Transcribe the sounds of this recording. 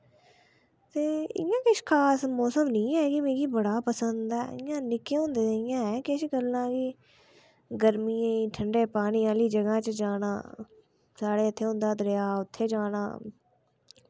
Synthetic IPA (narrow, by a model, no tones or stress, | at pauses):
t̪eːɪ̰jãːkɪʃkʰaːsmɔːsəmnĩːɛːɡimẽːɡiːbəɽaːpəsənd̪ɛ̰ːɪjãːnɪkeːõːnd̪eːɪjãːɛːkɪʃɡəlːãːɡiː | ɡəɾmiːãiːʈʰəɳɖeːpaːɽ̃iːaːliːd͡ʒəɡãːt͡ʃəd͡ʒaːñã̰ː | saːɽeːət̪ʰːeːɦõːnd̪aːd̪əɾeaːʊt̪ʰːeːd͡ʒaːna̰ː